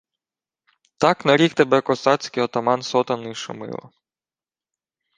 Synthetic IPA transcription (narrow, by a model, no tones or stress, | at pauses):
t̪ɑknɐɾʲixt̪ebɛkɔsɑt͡sʲkɪjɔt̪ɔmɑnsɔt̪ɐnɪʃʊ̰mɪ̰lˠɔ̰